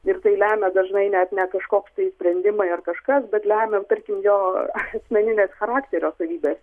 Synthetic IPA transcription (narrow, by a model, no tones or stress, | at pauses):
ɪɾt̪ɐɪlʲæːmʲɛd̪ɐʒnɐɪnʲɛt̪nʲɛkɐʃkoːkst̪ɐɪsʲpʲɾʲɛnʲd̪ʲɪmɐɪɐrkɐʃkɐsbʲɛt̪lʲæːmʲɛt̪ɐɾʲkʲɪmjoːɐsʲmʲɛnʲɪnʲeːsxɐɾɑːkt̪ʲeːɾʲoːsɐʋʲiːbʲeːs